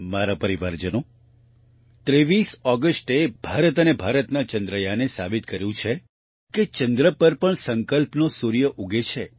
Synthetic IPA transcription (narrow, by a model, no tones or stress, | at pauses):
maɾapəɾiʋaɾd͡ʒəno | t̪ɾeʋisɔɡəsʈeb̥ʱaɾət̪ənebʱaɾət̪nat͡ʃənd̪ɾəjanesa̰bit̪kəɾjũt͡ʃʰe | ket͡ʃənd̪ɾəpəɾpəɳsəŋkəlpnosuɾjəʔuɡʱet͡ʃʰe